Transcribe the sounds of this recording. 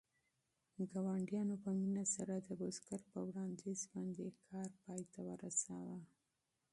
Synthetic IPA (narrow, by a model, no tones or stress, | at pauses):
ɡawɑɳɖijɑnopəminasaɾad̪əboskaɾpəwɽɑnd̪izbɑnd̪ekʰɑɾpɑjt̪ʰawəɾasawa